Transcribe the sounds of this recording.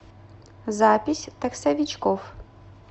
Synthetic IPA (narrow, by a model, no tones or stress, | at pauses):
zapʲisʲt̪ɐksɐvʲit͡ʃkɔf